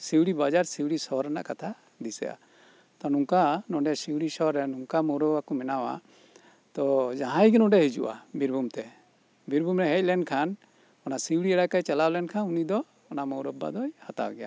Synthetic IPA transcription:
siwɽibad͡ʒaɾsiwɽisɔɾɛna̰ʔkat̪ʰa | d̪isɛ̰ja̰ | t̪ɔnuŋkanɔɖɛsiwɽisɔɾɛnuŋkamɔwɾɔakɔmɛnawa̰ | t̪ɔd͡ʒaɦãjɡɛnɔ̃ɖɛɦid͡ʒṵʔa̰biɾbʱumt̪ɛ | biɾbʱumɾɛɦɛc̚lɛnkʰan | ɔnasiwɽiɛɽakajt͡ʃɛlalɛnkʰanunid̪ɔː | namɔwɾɔb̚ːa̰d̪ɔjhat̪a̰wɡɛja̰

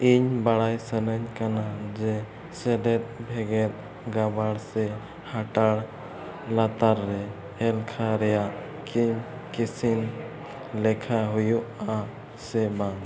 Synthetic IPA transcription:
iɲbaɽajsənəɲkanad͡ʒɛ | sɛɖɛt̪̚bʱɛɡɛɾ | ɡabaɽsɛ | haʈaɽ | lat̪aɾːɛ | ɛlkʰaɾɛjaʔ | kiɲkisin | lɛkʰaɦujuʔa | sɛba

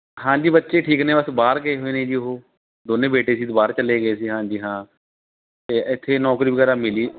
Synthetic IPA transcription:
ɦãːd͡ʒiːbətːʃeːʈʰiːkneːbəsbaːɾkəeːɦoːeːnẽːd͡ʒiːoɦoː | d̪oːnẽːbeːʈeːsiːt̪baːɾt͡ʃəleːɡəeːsiːɦãːd͡ʒiːɦãː | t̪eːɪt̪ʰːeːnɔːkɾiːbəɡɛːɾaːmɪliː

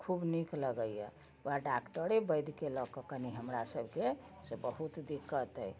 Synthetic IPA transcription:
kʰubnikləɡəjjə̰ | ʋaɖakʈəɾebəjd̪ʱkelɔkəkəniɦəmɾasəbʱke | sebəɦut̪d̪ikːət̪əj

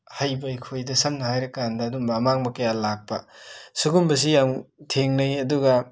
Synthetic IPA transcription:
hɐjbɐikʰojdɐsɐmnɐɦajɾɐkandɐːdumbɐːmaŋbɐkɐjalak̚pɐsuɡumbɐs̬ijaŋtʰeŋnɐjɐduɡɐ

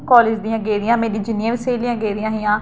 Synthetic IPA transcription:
kɔːleːd͡ʒd̪ijãːɡeːɾɪjãːmeːɾĩːd͡ʒɪnɪjãːʋɪseːlijãːɡeːɾɪjãːɦɪjãː

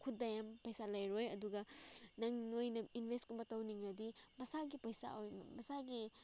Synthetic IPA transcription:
kʰut̚dɐjampɐjsalɐjɾojɐduɡɐnɐŋnojnɐinbʱestkumbɐtɐwniŋɾɐdimɐsaɡipɐjsa̰ojmɐsaɡi

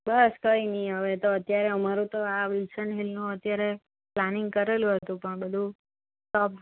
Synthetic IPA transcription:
bəskəiniɦəʋet̪oət̪jaɾeəmaɾũt̪oaʋilsəɳɦilnũət̪jaɾe | planɪŋɡ̚kəɾelũɦət̪ũpəɳbəd̪ʱũ | ʈɔp

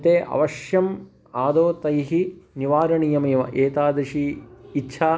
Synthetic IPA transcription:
t̪eːʔɐ̰ʋɐʃjɐm | aːd̪oːt̪ɐjɦiniʋaːɾɐɳijɐmeːʋɐ̰ʔeːt̪aːd̪ɐʃiːtːʃʰaː

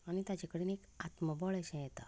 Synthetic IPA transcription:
añit̪jat͡ɕakəɽiːnekat̪məbɔɭaɕẽjɛt̪a

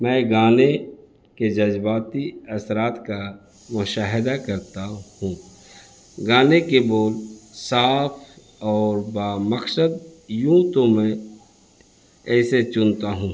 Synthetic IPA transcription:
mɛ̃ːɡaːne | ked͡ʒɐd͡ʒbaːt̪iɐsɾaːt̪ka | mʊʃaːɦɪd̪akɐɾt̪ahũː | ɡaːnekeboːlsaːpʰ | ɔːɾbaːməksəd̪̚jũːt̪omɛ̃ | ɛːset͡ʃʊnt̪aɦũː

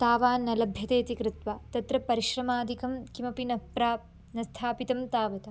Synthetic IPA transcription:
t̪aːʋaːnːɐlɐbʱjɐt̪eːt̪ikɾɪt̪ʋat̪ɐt̪ɾɐpɐɾiʃɾɐmaːd̪ʱikɐmkimɐpinɐpɾaːp | nɐst̪ʰaːpit̪ɐmt̪aːʋɐt̪ɐ

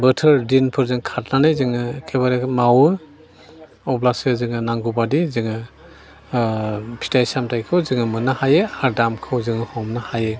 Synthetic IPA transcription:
bɯtʰɯɾdinpʰɯɾzɯŋkʰat̚nanɯjzɯŋɯkʰebaɾemawɯ | ɔblasɯzɯŋɯnaŋɡubadizɯŋɯ | pʰi̥tajsamtajkʰɯwzɯŋɯmɯnahajɯaɾdamkʰɯwzɯŋɯhɔmnahajɯ

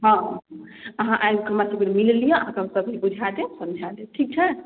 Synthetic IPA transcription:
ɦɔ̃ɦəɦãʔajbkəɾmasəbeɾmillijẽəɦãkemsəbʱɦibud͡ʒʱad̪esə̃md͡ʒʱad̪eʈʰik̚t͡ʃʰɛ

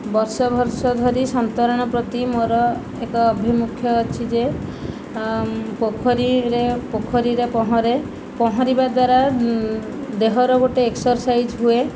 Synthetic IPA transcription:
bɔɾsɔbʱɔɾsɔd̪ʱɔɾisɔnt̪ɔɾɔɽ̃ɔpɾɔt̪imoɾɔ | ekɔːbʱimukʰjɔːt͡ʃʰid͡ʒe | pokʰɔɾiɾepokʰɔɾiɾepɔɦɔ̃ɾe | pɔɦɔɾibad̪waɾa | d̪eɦɔɾɔɡoʈeeksɔɾsajd͡ʒɦue

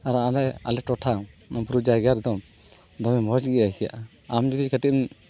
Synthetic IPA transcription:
aɾaalɛa̰lɛʈɔʈʰanɔbɾud͡ʒajɡaɾd̪ɔm | d̪ɔmɛmɔt͡ʃɡɛaikɛja̰ʔ | amd͡ʒud̪ikəʈim

